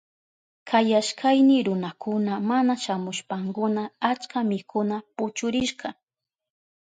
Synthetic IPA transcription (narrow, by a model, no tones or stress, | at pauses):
kʰajaʃkʰajnɪɾʊnakʊnamanaʃamʊʃpaŋkʊnaat͡ʃkamɪkʰʊnapʊt͡ʃʊɾɪʃɢɑ